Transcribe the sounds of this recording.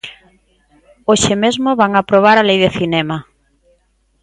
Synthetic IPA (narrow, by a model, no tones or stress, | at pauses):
oʃemezmoβaŋapɾoβ̞aɾalejðɪθinɛma